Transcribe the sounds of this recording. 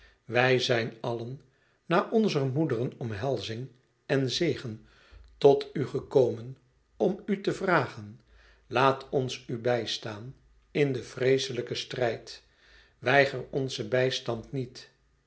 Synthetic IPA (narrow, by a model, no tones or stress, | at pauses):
ʋɛjzɛjnɑlənː | aːʔɔnzərmudərənɔmɦɛlˠzɪŋ | ɛnzejχən | tɔtyχəkoːmən | ɔmytəvraːχən | laːtʰɔnsybɛjstaːn | ɪndəvrejsələkəstrɛjt | ʋɛjχərɔnzəbɛjstɑntnit